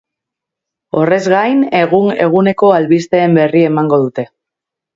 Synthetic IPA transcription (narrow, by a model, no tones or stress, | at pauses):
o̞re̞zɣajne̞ɣune̞ɣ̞une̞ko̞alβist̪e̞ːmbe̞rie̞maŋɡo̞ðut̪e̞